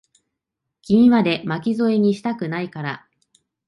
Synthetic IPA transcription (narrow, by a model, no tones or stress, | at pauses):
kʲiɲʲimad̪e̞makʲizo̞eɲ̟iɕi̥t̪akɯ̟naikaɾa